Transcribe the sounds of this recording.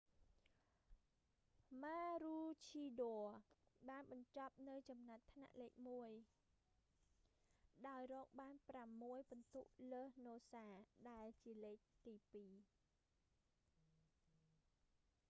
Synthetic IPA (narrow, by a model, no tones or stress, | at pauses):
maːruːt͡ɕʰiːɗoəɓaːnɓɑɲt͡ɕɑp̚nɨwt͡ɕɑmnat̪ʰːna̰ʔleːk̚muəj | ɗaɔjrɔːk̚ɓaːnpramːuəjɓɑnt̪uʔləːhnoːsaːɗaɛlt͡ɕiəleːk̚t̪iːpiː